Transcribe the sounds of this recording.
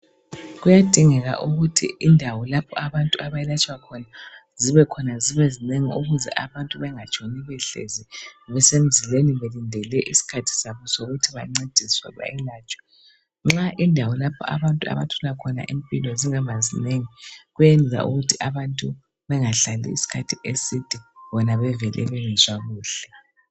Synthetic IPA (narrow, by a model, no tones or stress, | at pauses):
ɣujad̥ʱiŋɛɣa̰ʔuɣutʰḭːndʱawɔlapʰɔaβantʼuaβajɛlat͡ʃʼwakʰɔnaziβɛkʰɔnaziβɛzineŋiuɣuzɛ̰ʔaβantʼuβɛŋat͡ʃʼoniβɛɬḛzɛβɛsem̩zileniβelindʱɛlɛʔisi̥kʰatʰi̥saβɔsoɣutʰiβaŋ͡ǀed̥ʱiswɛ̰βa̰jɛlaːt͡ʃʼwḁ | ŋ͡ǁaʔindʱawɔlapʰɔ̰ʔa̰βantʼua̰βa̰tʰɔlakʰɔna̰ʔimpʼilɔziŋaβazineŋiɣujenza̰ʔṵɣutʰiʔaβantʼu | βɛŋaɬalḭḭsi̥kʰatʰiʔesid̥ʱiβɔnaβɛvɛlʔɛ̰βɛnɛzwaɣuːɬɛ